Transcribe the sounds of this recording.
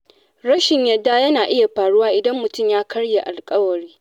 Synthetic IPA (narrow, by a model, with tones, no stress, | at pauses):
ɾɐ˦ʃɪ˨ɲjɐ˨dːa˦jɐ˦naː˨ʔɪ˦ja˨ɸaː˨ɽʊ˦waː˦ʔɪ˨dɐ˦mːʊ˨tʊ˦˨mjaː˦kɐ˦ɽje˨ʔa˨lkʼɐ˦wɐ˨ɽiː˦